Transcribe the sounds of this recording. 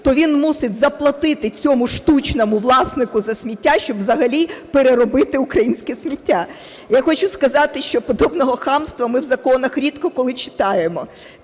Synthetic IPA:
t̪ɔʋʲinmusɪtʲzɐplˠɐt̪ɪt̪ɪt͡sʲɔmʊʃt̪ut͡ʃnɔmʊʋlˠɑsnɪkʊzɐsʲmʲitʲːaʃt͡ʃɔbʋzɐɦɐlʲipeɾeɾɔbɪt̪ɪʊkɾɐjinʲsʲkɛsʲmʲitʲːa | jaxɔt͡ʃʊskɐzɑt̪ɪʃt͡ʃɔpɔd̪ɔbnɔɦɔxɑmst̪ʋɐmɪwzɐkɔnɐxɾʲit̪kɔkɔlˠɪt͡ʃɪ̥t̪ɑjemɔ

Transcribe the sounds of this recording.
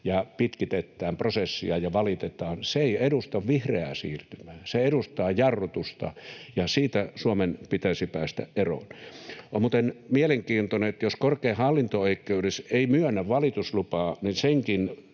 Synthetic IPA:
jɑpit̪kit̪et̪ːæːmprosesːḭɑjɑʋɑlit̪et̪ˑɑːnseeiedust̪ɑʋʋihreæ̰sḭːrt̪ymæːseeɾust̪ɑːjɑrːot̪ust̪ɑ̰jɑsiːt̪æsuomenpit̪æisipæːst̪æ̰ʔʔero̰ˑnmuːt̪enmieleŋkiːnt̪oneet̪joskorkeːhɑlːint̪ooikːˑeudeseimyønːæʋʋɑlit̪uslupɑːninseŋkin

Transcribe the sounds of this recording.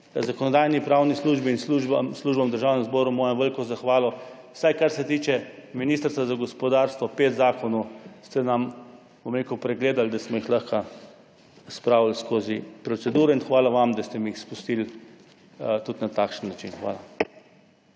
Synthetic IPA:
zakɔnɔd̪ajnipɾawnisluʒbiːnsluʒbamsluːʒbamd̪əɾʒaːwnɛmzbɔːɾumɔːjɛmʋɛlkɔzaxʋaːlɔ | wsajkaɾsɛt̪iːt͡ʃɛminiːst̪ɾst̪ʋazaɡɔspɔd̪aɾst̪ʋɔpeːt̪zaːkɔnɔst̪ɛnam | bɔmɾekɔpɾɛɡleːd̪ald̪asmɔixlaxka | spɾaːwlskoːzipɾɔt̪sɛd̪uːɾɛinxʋaːlaʋamd̪ast̪ɛmiixspust̪il | t̪ut̪nat̪aːkʃənːat͡ʃinxʋa̰ːla

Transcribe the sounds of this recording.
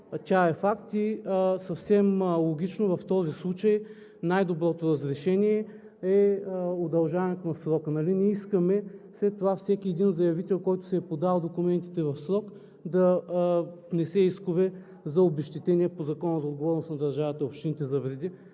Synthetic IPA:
t̪ʲaɛfakt̪isɐfsɛmlˠoɡʲit͡ʃnovɐft̪ɔzislˠut͡ʃəj | najd̪obɾɔt̪oɾɐzɾɛʃɛnʲiɛ | ɛod̪ɐlˠʒavɛnɛt̪ʊnɐsɾɔkənɐlinɛiskɐmɛslɛt̪ːovafsɛkʲiɛd̪inzɐjɐvit̪ɛlˠkɔjt̪ʊ̥sɛːpod̪alˠd̪okʊmɛnt̪i̥t̪ɛvɐfsɾɔk | d̪ɐ | nɛsɛiskʊvɛ | zɐobɛʃt̪it̪ɛniɛpozɐkɔnəzɐod̪ɡovɔɾnʊsnɐd̪ɐɾʒavɐt̪ɐopʃt̪init̪ɛzɐvɾɛd̪i

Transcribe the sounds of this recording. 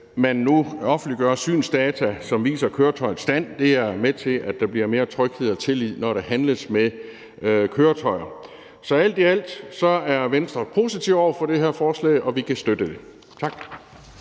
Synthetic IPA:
mænːuɒ̽fn̩dliɡ̥ɶːɐsy̰ːnsd̥ɛːt͡sʰæsɒ̽mʋḭːsɐkʰøːɐt͡sʰɒ̽ɪð̩ˠsd̥æn̰d̥e̝æɐmet͡sʰe̝læd̥d̥ɑ̈b̥liɐ̰me̝ːɐt͡sʰʁœɡ̥he̝ð̩̰ˠɒt͡sʰe̝lið̰ˠnɒɾ̥eɦænləsme | kʰøːɐt͡sʰɒ̽ɪɐ | sɒ̽æl̰d̥iæl̰d̥sɒ̽æɐʋensd̥ʁɐpʰo̝sit͡sʰiʊ̰ɒ̰ʊɐfɒ̽d̥e̝ɦeɐfɒːslɛ̰ɪʔɒ̽ʋikʰæsd̥ød̥əd̥e̝ | t͡sʰɑ̈ɡ̥

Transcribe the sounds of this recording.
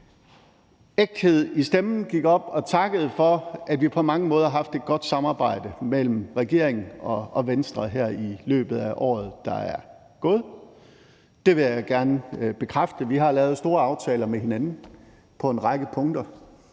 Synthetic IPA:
eɡ̥̚d̥he̝ð̞̰ˠisd̥emn̩ɡ̥iɡ̥ɒ̽b̥ɒ̽t͡sʰɑ̈ɡ̥əð̞̩ˠfɒ̽æd̥ʋipʰɒ̽mɑ̈ŋəmɔ̽ːð̞ˠhɑɦɑ̈fd̥e̝d̥̚ɡ̥ɒ̽d̥sɑ̈mɑ̈ːb̥ɑ̈ɪ̰d̥əmel̰m̩ʁɛɡ̥e̝ɐ̰eŋn̩ɒ̽ɒʋensd̥ʁɐɦæɐ̰ilø̰ːb̥ð̞̩ˠæʔɒ̰ːð̩ˠd̥ɑ̈æɐ | ɡ̥o̽ːð̞̩ˠ | d̥e̝ʋe̝jɑɪɡ̥æɐnəb̥e̝kʰʁafd̥əʋiɦɑ̈lɛːʊð̩ˠsd̥o̝ːɐɑ̈ʊt͡sʰɛːlɐmeɦe̝nænn̩ | pʰɒ̽e̝nʁɑ̈ɡ̥əpʰɔ̽ŋd̥ɐ

